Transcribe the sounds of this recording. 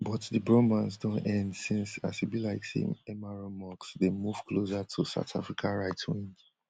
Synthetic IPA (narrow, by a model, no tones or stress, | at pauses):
bɔtdɨbɹomãnsdõnɛ̃ndsĩnsa̰sibilaɪksḭ̃mɛmaɹomɔksdemuv̥klozatʰusa̰ʊtʰa̰fɹikʰaɹaɪtʰwĩnd